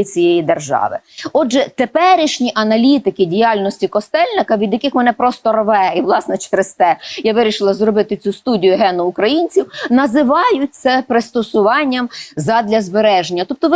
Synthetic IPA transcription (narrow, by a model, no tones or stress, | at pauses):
it͡sʲijɛjid̪erʒɑ̰ʋɪ̰ɔdd͡ʒɛt̪epɛɾʲiʃnʲiʔɐnɐlʲit̪ɪkɪdʲijɑlʲnɔsʲtʲikɔst̪ɛlʲnɪkɐʋʲid̪jɐkɪxmɛnɛpɾɔst̪ɔrʋɛiʋlˠɑsnɛt͡ʃɾst̪ɛjaʋɪɾʲiʃɪlˠɐzɾɔbɪt̪ɪt͡sʲust̪udʲijʊɦɛnʊːkɾɐjinʲt͡sʲiwnɐzɪʋɑjʊt̚ʲt͡ssɛpɾɪst̪ɔsʊʋɑnʲːɐmzɐd̪ʲlʲɐzbeɾɛʒenʲːɐt̪ɔp̚t̪ɔʋ